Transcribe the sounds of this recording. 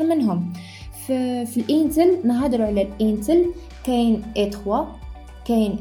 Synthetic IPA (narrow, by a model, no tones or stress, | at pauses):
mɪnɦʊm | ffilʔiːnt̪əlnaɦad̪ɾuʕalalʔiːnt̪əl | kɛːnʔet̪xwa | kɛːn